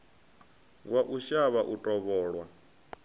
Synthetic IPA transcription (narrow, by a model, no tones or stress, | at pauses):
waʔuʃaβaʔutʼɔβɔːɺwa